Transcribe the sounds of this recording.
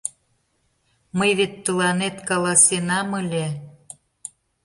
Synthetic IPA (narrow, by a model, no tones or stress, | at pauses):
məjβet̪ːəlɑnet̪kɑlɑsenɑməlʲe